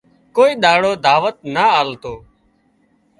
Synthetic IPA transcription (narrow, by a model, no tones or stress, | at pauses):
koːiːɗ̪aːɽoːd̪ʱaːʋət̪̚naaːlt̪oː